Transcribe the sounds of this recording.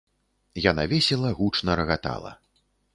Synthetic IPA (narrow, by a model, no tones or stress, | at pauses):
janavʲɛsʲɛlˠɐɣut͡ʂnɐɾɐɣat̪a̰lˠɐ̰